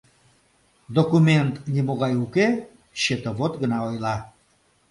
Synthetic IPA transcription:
d̪okument̪nʲimoɣɑjuke | ɕet̪əβot̪ɡənɑojlɑ

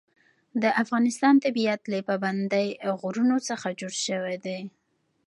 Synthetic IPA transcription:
d̪əʔafɣɑnɪst̪ɑnt̪abiat̪lapaband̪ajɣuɾunot͡səxad͡ʒoɽʃəwed̪e

